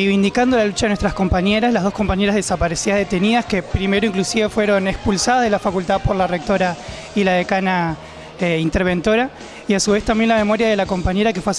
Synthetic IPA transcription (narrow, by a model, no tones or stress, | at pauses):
ejβind̪ikand̪o̞lalut͡ʃaðenwest̪ɾasko̞mpaɲe̞ɾaslaɦðohko̞mpaɲe̞ɾazðe̞sapaɾe̞siaðe̞t̪e̞niðaskepɾime̞ɾoiŋklusiβe̞fwe̞ɾo̞nekspulsaðahðelafakult̪aðpo̞ɾlarek̚t̪o̞ɾa | ilaðekana | eint̪e̞ɾβ̞e̞nt̪o̞ɾa | iasuβ̞e̞st̪ambjenlame̞mo̞ɾjað̞e̞lako̞mpaɲe̞ɾakefwea